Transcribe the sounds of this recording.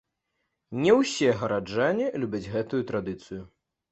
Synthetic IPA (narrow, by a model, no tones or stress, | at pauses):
nʲɛwsʲɛɣɐɾad͡ʐanʲilʲubʲad͡zʲɣɛt̪ujut̪ɾad̪ɨt̪sɨju